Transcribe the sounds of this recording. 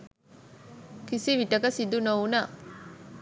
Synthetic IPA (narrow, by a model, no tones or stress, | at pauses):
kisiʋiʈəkəsid̪unowunaː